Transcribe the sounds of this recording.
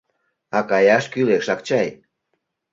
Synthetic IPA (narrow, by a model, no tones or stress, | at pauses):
ɑkɑjɑʃkyleʃɑkt͡ɕɑj